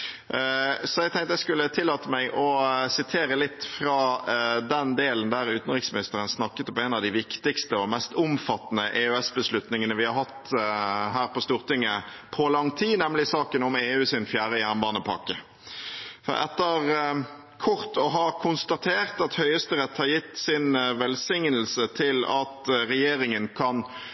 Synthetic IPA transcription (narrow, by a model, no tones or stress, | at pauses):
sɔɛɡ̚t̪ʰɛŋt̪əɛskʉlːət̪ʰɪlːɑːt̪əmæɪʔɔsɪt̪ʰeːɾəlɪt̪ːfɾɑːd̪ɛnd̪eːlənd̪æɾʉːt̪ən̩ʁɪksmɪnɪst̪əɾənsnɑkːət̪ɔmɛnɑʋd̪ɪʋɪkt̪ɪkst̪əɔmɛst̪ʊmfɑt̪ːnəʔeøɛsbəslʉt̪nɪŋənəʋɪhɑɾhɑt̪ː | ɦæːɾpɔst̪uːʁt̪ɪŋːəpʰɔlɑŋt̪ʰiːnɛmlɪsɑːkənʊmeːʉːsɪnfjæːʁəjæːʁnbɑːnəpʰɑ̰kːə | fɔ̰ɾɛ̰t̪ːəʁ | kʰʊɾt̪ʰɔɦɑkʰʊnst̪ɑt̪ʰeːʁt̪ɑt̪hœʏəst̪əʁɛt̪ːhɑɾjɪt̪ːsɪnʋɛlsɪŋnəlsət̪ʰɪlɑt̪ʁɛjeːɾɪŋənkʰɑn